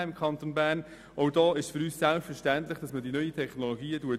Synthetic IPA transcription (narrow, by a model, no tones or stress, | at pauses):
ɪmkʰχɑnt̪onbæːrn | ɔwdɔːɪʃfʏɾyːssælpfəɾʃtæntlɪχd̥ɑsmədinœʏitʰɛχnoloɡiːəduət